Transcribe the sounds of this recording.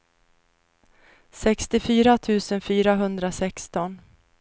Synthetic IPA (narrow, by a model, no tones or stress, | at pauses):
sɛkst̪ɪfyːɾat̪ʰʉ̟ːsənfyːɾaɦɵnd̪ɾasɛkst̪ɔn